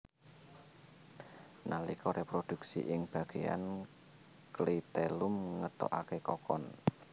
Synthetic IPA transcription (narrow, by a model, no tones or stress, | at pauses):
nalikɔɾʔɛpɾod̪̥ṳksḭʔɪŋb̥a̤ɡ̥ea̰n | klit̪elʊmŋət̪ɔ̰ʔakekɔkɔn